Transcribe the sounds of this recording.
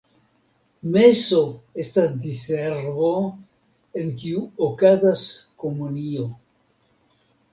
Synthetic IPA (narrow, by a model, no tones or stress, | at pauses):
meso̞e̞stasdiseɾvo̞ | enkiuokazaskomunio